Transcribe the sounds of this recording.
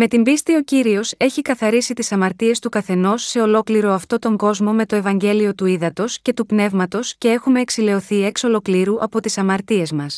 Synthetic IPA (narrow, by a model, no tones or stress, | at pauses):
me̞t̪imbist̪io̞ciɾio̞se̞çikɐθɐɾisit̪isɐmɐɾt̪ie̞st̪ukɐθe̞no̞sːe̞o̞lo̞kliɾo̞ɐft̪o̞t̪oŋɡo̞zmome̞t̪o̞e̞vɐɲɟe̞lio̞t̪uiðɐt̪o̞sce̞t̪upne̞vmɐt̪o̞sce̞e̞xume̞ːksile̞o̞θie̞kso̞lo̞kliɾuʔɐ̰po̞t̪isɐmɐɾt̪ie̞zmɐs